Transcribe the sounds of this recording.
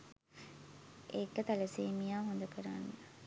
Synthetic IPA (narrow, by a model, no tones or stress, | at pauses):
ʔekːət̪aləseːmijaːɦond̪əkəɾanːə